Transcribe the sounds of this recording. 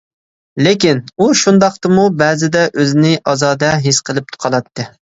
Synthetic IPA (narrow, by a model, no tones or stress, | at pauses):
lekʲinuʃund̪ɑq̚t̪ɨmubɛːzɪd̪ɛʔøzɪnɪʔɑzɑːd̪ɛɦesqʰəlˠɨp̚t̪ʰʊ̥qʰɑlˠɑt̪ːɨ